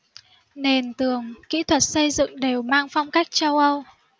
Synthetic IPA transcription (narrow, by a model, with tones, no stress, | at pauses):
ne˨˩nt̪ɨ˨˩əŋkḭ˧˥t̪ʰwə˨˩t̚sə˧jzɨ̰˧˨ŋɗe˨˩wmaː˧ŋfa˧wŋ͡mkaː˦˥jk̚t͡ɕa˧wʔə˧w